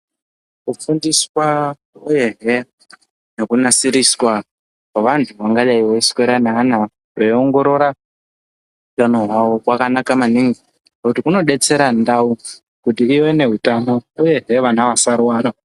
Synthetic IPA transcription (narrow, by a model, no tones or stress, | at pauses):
kufundiswa | uje̞ɦe | ne̞kunasiɾiswa | paʋantʰuʋaŋɡajaiwoiskweɾanaːna | reioŋɡo̞ɾo̞ɾa | ɦutano̞ɦwawokwakanakamaniŋɡi | akutikuno̞ɗe̞t͡se̞ɾandau | kutiːwene̞ɦutano̞uje̞ɦe̞ʋanaʋasaɾwaːɾa